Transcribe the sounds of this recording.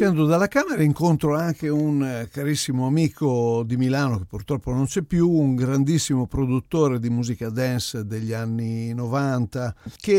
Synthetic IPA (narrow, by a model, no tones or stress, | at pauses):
ɛnd̪od̪alːakaːmɛɾaiŋkont̪ɾoaŋkeunkaɾisːimoamiːkod̪imilaːnok̟epːuɾt̪ɾɔpːonont͡ʃɛpːjuːŋɡɾand̪isːimopɾod̪ut̪ːoːɾed̪imuːzikad̪ɛnsd̪eʎːianːinɔvant̪ak̟e